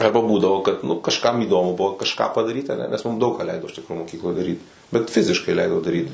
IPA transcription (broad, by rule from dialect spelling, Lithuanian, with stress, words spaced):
ˈɐrbɐ ˈbuːdɐʋoː kɐt nʊ kɐʃˈkɐm iːˈdoːmʊ ˈbʊʋoː kɐʃˈkɑː pɐdɐˈrʲiːt ɐˈnʲɛ nʲɛs mʊm dɐʊk kɑː ˈlʲɛɪdoː ɪʃ ˈtʲɪkroː moːˈkʲiːklˠoːj dɐˈrʲiːt bʲɛt ˈfʲɪzʲɪʃkɐɪ ˈlʲɛɪdoː dɐˈrʲiːt